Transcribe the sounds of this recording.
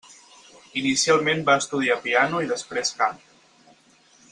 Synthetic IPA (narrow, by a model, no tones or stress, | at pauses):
inisialˠmenbaəst̪uð̞iapianuiðəspɾeskam